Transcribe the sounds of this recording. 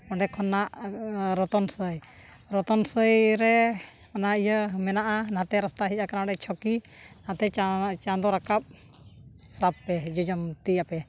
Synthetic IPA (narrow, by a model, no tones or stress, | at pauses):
kɔɳɖɛkʰɔnːaʔɾɔt̪ɔnsəj | ɾɔt̪ɔnsəjɾɛ | ɔnaijəmɛnaʔanãt̪ɛɾast̪aɦicakanaɽɛt͡ʃʰɔkinãt̪ɛt͡ʃat͡ʃãnd̪ɔɾakap̚ | sab̚pɛd͡ʒɔd͡ʒɔmt̪ijapɛ